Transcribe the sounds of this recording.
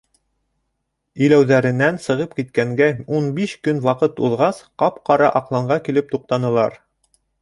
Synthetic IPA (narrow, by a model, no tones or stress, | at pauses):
ɵ̆læwðæɾɘ̆nːænsɤ̆ʁɤp̚kit̪kæŋɡæunbiʃkɵnwɑqɤt̪uðʁɑsqɑpqɑɾɑʔɑqlˠɑɴɢɑkilɘp̚t̪uq̚t̪ɑnɤ̆lˠɑ̰ɾ